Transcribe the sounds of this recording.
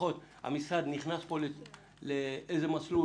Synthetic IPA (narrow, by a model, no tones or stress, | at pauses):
o̞t̪ha̰misad̪niχnaspo̞le | leejzemat͡slu